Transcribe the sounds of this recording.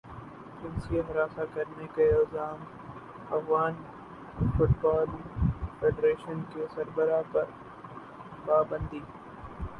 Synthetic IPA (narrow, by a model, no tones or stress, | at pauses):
d͡ʒɪ̃nsieɦɐɾaːsakɐɾnekeɐlzaːm | ɐfɣaːn | fʊʈbaːlfeːɖɾeːʃənkesɐɾbəɾapɐɾ | paːbə̃nd̪iː